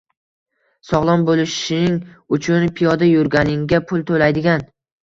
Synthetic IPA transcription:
sɒʁlˠɒnbolɪʃʃɪnɪŋʊt͡ʃʰʊnpʰijɒd̪ajʊɾɡʲanɪŋɡʲapʰʊlˠt̪ʰolajd̪ɪɡʲan

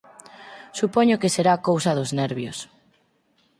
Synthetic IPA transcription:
supɔɲʊkeseɾaːkowsɐðʊznɛɾβjʊs

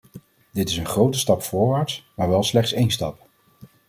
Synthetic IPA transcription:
dɪtɪsənχrowtəstɑpfʊːɹʋaːɹtsmaːɹʋɛlˠslɛχtsejnstɑ̰p

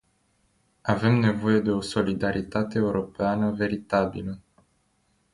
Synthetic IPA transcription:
ave̞mne̞vo̞je̞d̪e̞o̞so̞lid̪aɾʔit̪at̪e̞ːuɾo̞peanəve̞ɾit̪abḭlə

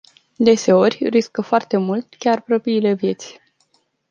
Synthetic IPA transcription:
d̪e̞se̞o̞rʲriskəfoart̪e̞mult̪kʲarpɾopiːle̞vje̞t̪sʲ

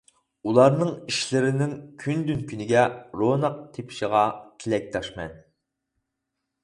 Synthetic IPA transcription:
ulˠɑɾnɨŋiʃlɪɾɪnɪŋkʲʰynd̪ynkʲʰynɪɡʲɛɾonɑq̚t̪ʰepʰɪ̥ʃiʁɑt̪ʲʰɪlɛk̚ʲt̪ʰɑʃmɛ̰n

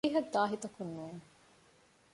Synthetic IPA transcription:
ɦɐdd̪aːɦit̪ɐkunːuːne

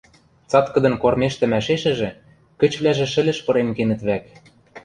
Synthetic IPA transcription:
t͡sɑt̪kɤ̆d̪ɤ̆nkormeʃt̪ɘ̆mæʃeʃɘ̆ʒĕ | kɘ̆t͡ɕβlæʒĕʃɘ̆lɘ̆ʃpɤ̆ɾemkenɘ̆t̪βæk

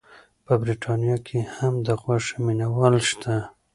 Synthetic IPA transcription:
pəbɾiʈɑnjɑkʰehamd̪əɣwaʂminawɑlʃt̪ʰa

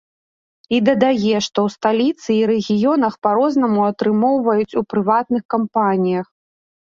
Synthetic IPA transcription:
id̪ɐd̪ajɛʂt̪ɔwst̪alʲit̪sɨːɾɛɣʲijɔnɐxpaɾɔznɐmuɐt̪ɾɨmɔwvɐjut͡sʲupɾɨvat̪̚nɨxkampanʲijɐx

